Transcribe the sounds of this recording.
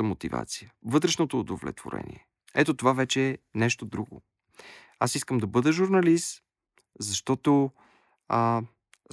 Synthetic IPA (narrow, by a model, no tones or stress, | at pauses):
əmot̪iva̰t̪sijəvɤt̪ɾɛʃnot̪oːd̪ovlɛ̰t̪v̥o̰ɾɛ̰nʲiɛ | ɛt̪ot̪ovavɛt͡ʃɛːnɛʃt̪od̪ɾuɡo̰ | asiskəmd̪ɐbɤd̪əʒuɾnɐlist̪ | zɐʃt̪ɔt̪o